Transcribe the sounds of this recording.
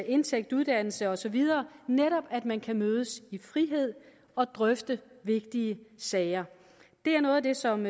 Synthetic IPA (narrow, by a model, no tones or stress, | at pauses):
e̝nt͡sʰeɡ̥̚d̥uð̞ˠd̥æn̰l̩səɒ̽sɒ̽ʋið̞ˠɐːneɾɒ̽b̥æd̥mænkʰæmøːð̞ˠəsifʁiɦe̝ð̞̰ˠ | ɒ̽d̥ʁœfd̥ə | ʋe̝ɡ̥d̥iəsɛɪɐ | d̥e̝æɐnɔ̽ːð̩ˠd̥e̝sɒ̽m